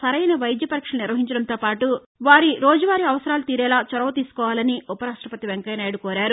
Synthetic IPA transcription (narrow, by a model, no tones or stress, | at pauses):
sɐɾɐjnɐʋɐjd̪jɐpɐɾikʂɐnɐniɾʋɐɦiɲt͡ʃɐɽɐnt̪oːpaːʈu | ʋaːɾiɾoːd͡ʒɐʋaːɾiɐʋɐsɐɾaːlut̪iːɾɛːlaːt͡ʃɔɾɐʋɐt̪iːsu̥kɔːʋaːlɐniupɐɾaːʂʈɾɐpɐt̪iʋeŋkɐjnaːjɽukoːɾaːɾu